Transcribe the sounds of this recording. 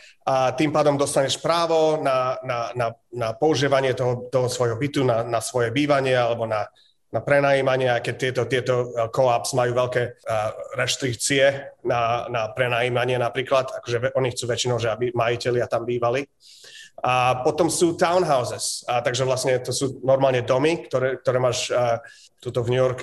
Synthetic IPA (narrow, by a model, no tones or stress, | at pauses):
at̪impaːd̪ɔmd̪ɔst̪aɲɛʃpɾaːʋɔnanananapɔuʒiːʋaɲɪɛt̪ɔɦɔt̪ɔɦɔsʋɔjɦɔbit̪unanasʋɔjɛbiːʋaɲɪɛalɛbɔna | napɾɛnajiːmaɲɪɛajkɛc̚t̪ɪɛt̪ɔt̪ɪɛt̪ɔkɔapsmajuːʋɛʎkɛːɾɛʃt̪ɾik̚t͡siɛnanapɾɛnaːjiːmaɲɪɛnapɾiːklat̪akɔʒɛɛʔɔɲixt͡suːʋɛt͡ʃinɔʊʒɛabimajicɛʎɪat̪ambiːʋali | apɔt̪ɔmsuːt̪aʊnɦaʊzɛst̪aɡʒɛʋlasɲɛt̪ɔsuːnɔɾmaːlɲɛd̪ɔmikt̪ɔɾɛk̚t̪ɔɾɛːmaːʃ | t̪ut̪ɔvɲujɔɾk